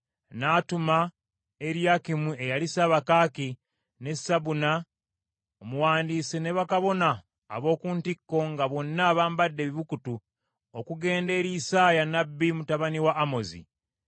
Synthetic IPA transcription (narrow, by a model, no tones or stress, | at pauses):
naːtuma | e̞ɾjakimue̞jalisaβakaːki | ne̞saβuna | omuwaːndiːsene̞βakaβo̞na̰ː | βo̞ːkuːntikːo̞ŋɡaβo̞nːaːβaːmbadːe̞βiβukutu | okuɡe̞ːnde̞ːɾiːsaːjanabːimutaβaniwaːmo̞zḭ